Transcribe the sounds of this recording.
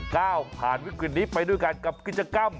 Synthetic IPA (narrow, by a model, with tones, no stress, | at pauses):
kaː˥˩wpʰaː˨˩nwi˦˥kɾi˨˩t̪̚niː˦˥pa˧jdu˥˩əjka˧nka˨˩p̚ki˨˩t̪̚t͡ɕa˧ka˧˥˩m